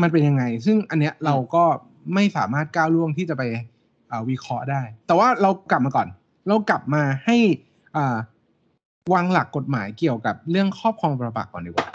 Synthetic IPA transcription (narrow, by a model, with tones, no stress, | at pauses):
ma˧np̬e˧nja˧ŋa˧js̬ɯ˥˩ŋʔa˧nːi˦˥əɾa˧wkɔː˥˩ | ma˥˩jsa̰ː˩˦maː˥˩t̪̚kaː˥˩wlu˥˩əŋt̪ʰiː˥˩t͡ɕa˨˩pa˧j | ʔəː˨˩wi˦˥kʰɾɔ˦˥ʔdaː˥˩jt̪ɛː˨˩waː˥˩ɾa˧wkla˨˩p̚maː˧ɔ̰ː˨˩n | ɾa˧wkla˨˩p̚maː˧ha˥˩j | ʔɤː˨˩ | waː˧ŋla˨˩kːo˨˩t̪̚maː˩˦jki˨˩əwka˨˩p̚ɾɯ˥˩əŋkʰɔː˥˩p̚kʰɔː˧ŋpa˧ba̰˨˩kːɔː˨˩ndiː˨˩kwa̰ː˨˩